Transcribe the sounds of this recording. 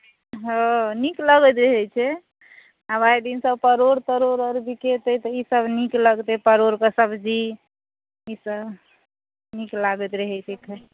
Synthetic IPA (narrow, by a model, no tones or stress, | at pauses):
ɦə̃nikləɡət̪ɾeɦɛt͡ʃʰɛ | abajd̪insəbpəɾoɾt̪əɾoɾəɾbiket̪ət̪ɔisəbnikləɡt̪epəɾoɾkəsəbʱd͡ʒi | isəb | niklaɡət̪ɾeɦɛt͡ʃʰekʰe